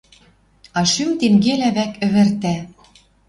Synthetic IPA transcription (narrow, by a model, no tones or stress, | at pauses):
ɑʃymt̪eŋɡelæβækɘ̆βɘ̆rt̪æ